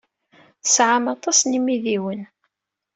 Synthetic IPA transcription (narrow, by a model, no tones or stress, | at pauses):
θə̥sʕamɑt̪ˤɑsnimiðiwən